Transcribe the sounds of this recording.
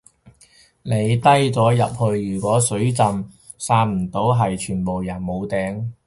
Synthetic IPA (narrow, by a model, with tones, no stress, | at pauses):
ne˨˧jt̪ɐ˥jt͡sɔː˨˥jɐ̰˨p̚hɵ˧ɥjyː˨˩kʷwɔː˨˥sɵ˨˥ɥt͡sɐ˨m | saː˧t̚m̩˨˩t̪o˨˥wɦɐ˨jt͡ʃʰyː˨˩npo˨wjɐ˨˩nmo˨˧wt̪ɛː˨˧ŋ